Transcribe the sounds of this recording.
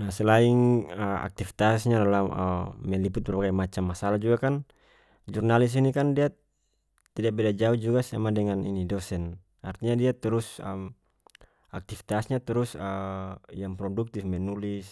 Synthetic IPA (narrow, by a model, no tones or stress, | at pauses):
nasɛlaiŋəa̰k̚t̪ifi̥t̪asɲadalaməmːɛliput̪̚bɛrbaɡajmat͡ʃamːasalad͡ʒuɡakan | d͡ʒurnalis̬inikandia | t̪idak̚bɛdad͡ʒauhd͡ʒuɡasa̰madɛŋanḭnidɔsɛn | a̰rt̪iɲadiat̪ɛɾusəm | ak̚t̪ifi̥t̪asɲat̪ɛɾusəjaŋpɾɔduk̚t̪ifmɛnulis